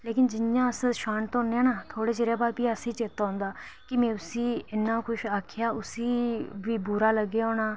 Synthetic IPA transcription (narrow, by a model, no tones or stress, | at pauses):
leːkɪnd͡ʒɪjãːəsʃaːnt̪õːneãːnaːt̪ʰoːɽeːt͡ʃeːɾeːbaːɾpiːəsiːt͡ʃeːt̪ːaːɦʊ̃nd̪aː | kɪmɛ̃ːʊsiːɪnːãːkʊʃaːkʰjaːʊsiːʋiːbuːɾaːləɡːeːoːɽaː